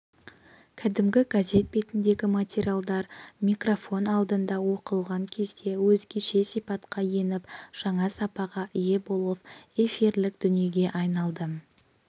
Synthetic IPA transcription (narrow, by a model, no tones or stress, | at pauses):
kʲʰæd̪ɪmɡʲɪɡazʲe̞t̪̚be̞t̪ɪnd̪e̞ɡʲɪmat̪ʲeɾʲialˠd̪ɑɾmʲijkro̞fo̞nɑlˠd̪ənd̪ɑwo̞qəlˠʁɑŋkʲʰe̞zd̪e̞wɵzɡʲe̞ʃe̞sijpɑt̪qɑje̞nɪpʒ̥ɑɴɑsɑpɑʁɑʔɪje̞bo̞lˠəpe̞fiɾlɪk̚d̪̥ʏnije̞ɡʲe̞ʔɑjnɑlˠd̪ə